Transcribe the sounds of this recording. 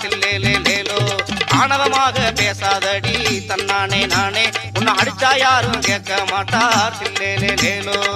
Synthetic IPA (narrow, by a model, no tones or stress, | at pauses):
sɪlːeːleːleːloːaːɳɐʋɐmaːɣɐpeːsaːðɐɽit̪ɐnːaːneːnaːneːʊnːɐɦɐɽɪt͡ʃːaːjaːɾɯmkeːkːɐmaːʈːaːsilːeːleːleːloː